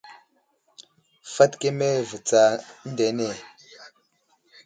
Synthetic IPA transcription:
fa˦tke˦me˦və˨t͡sa˨n̩˦de˨˦ne˦˨

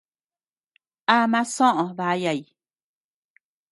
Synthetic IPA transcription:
a˦mã˦sõ˦ʔõ˧ða˧˦ja˧˨i˨

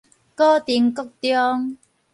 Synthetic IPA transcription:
kɔː˦˥t̪iː˨˩nkʊ˥k̚t̪jɔː˥ŋ

